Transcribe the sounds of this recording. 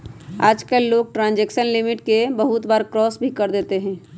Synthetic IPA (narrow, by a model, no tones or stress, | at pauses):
aːd͡ʒkəlːoːɡ̚ʈɾãːnd͡ʒɛːkʃənlɪmɪʈkebɐɦʊt̪baːɾkɾɔːsbʱikɐɾd̪eːt̪eɦɛ̃ː